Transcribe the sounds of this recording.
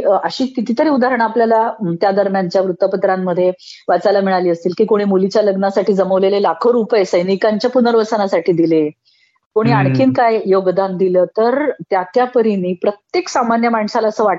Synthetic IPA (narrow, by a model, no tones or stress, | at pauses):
əɕiːkit̪iːt̪əɾiːud̪aɾəɳ̃apljalat̪jad̪əɾmjaɲt͡ɕjaʋɾut̪ːəpət̪ɾamːəd̪ʱːje | ʋat͡salamiɭaliːəst̪iːlkiːkoɽ̃iːmulit͡ɕjaləɡnasaʈiːd͡zəməʋlelelakʰoɾupajsəjnikaɲt͡ɕjapunəɾʋəsənasaʈʰiːd̪ile | koɽ̃iːaɳ̃kʰiːnkajjoɡd̪and̪iləːt̪əɾt̪jat̪japəɾiniːpɾət̪jeksamanjəmaɳsalaəsəːʋaʈ